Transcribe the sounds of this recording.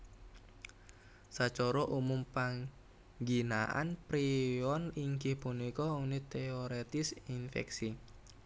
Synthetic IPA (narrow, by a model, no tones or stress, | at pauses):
sat͡ʃɔɾɔʔumumpaŋ | ɡina̰ʔa̰npɾiɔniŋɡɪhpunikɔunit̪eoɾet̪ɪsinfɛ̰ksi